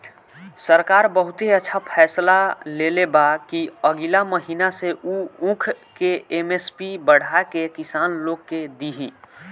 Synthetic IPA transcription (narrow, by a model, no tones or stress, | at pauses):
səɾkaːɾbəɦʊt̪ɦeətːʃʰapʰɛːslaleːlebakiəɡilaməɦiːnaseʔuũkʰkeemespibəɽ̤ʱakekɪsaːnloːɡ̚ked̪iɦĩː